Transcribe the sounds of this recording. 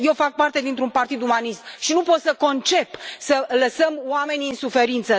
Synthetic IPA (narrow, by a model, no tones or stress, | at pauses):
jewfak̚part̪e̞d̪int̪ɾunpart̪id̪umanist̪ʃinupo̞t̪səko̞nt͡ʃe̞psələsəmwame̞nʲiɨnsufe̞ɾint̪sə